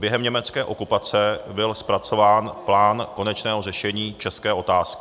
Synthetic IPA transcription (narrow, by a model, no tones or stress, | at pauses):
bjɛɦɛmɲɛmɛt͡skɛːʔo̞kupat͡sɛbɪlspɾat͡so̞vaːnplaːnko̞nɛt͡ʃnɛːɦo̞rɛʃɛɲiːt͡ʃɛskɛːʔo̞t̪aːskɪ̥